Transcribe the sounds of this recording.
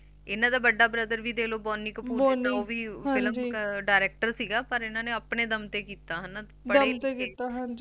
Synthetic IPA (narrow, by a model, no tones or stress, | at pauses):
ɪnãːd̪aːbəɖːaːbɾəd̪əɾʋiːd̪eːloːbɔːnːiːkəpuːbɔːnoːʋiːɦãɪləbɖaːɾɛːk̚ʈəɾsiːɡaːpəɾɪnãːneːəpɳeːd̪əmt̪eːkiːt̪aːɦən | pəd̪əɽeːmːt̪eːkiːt̪aːɦãɲd͡ʒi